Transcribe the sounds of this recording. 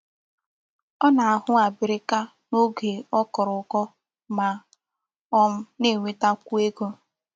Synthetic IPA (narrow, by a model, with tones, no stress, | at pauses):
ɔ˦na˨a˨ɦʊ˦a˨bɪ˨ɾɪ˦ka˦ | no˦ɡe˨ɔ˦kɔ˨ɾʊ˨kɔ˦ | ma˨ | ɔ˦m̩˦ne˦˨ŋʷe˦ta˦kʷu˦e˦ɡo˦